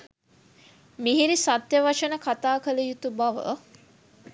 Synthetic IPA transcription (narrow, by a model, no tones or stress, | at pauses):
miɦiɾisat̪jəʋaʂənəkat̪aːkələjut̪ubaʋə̰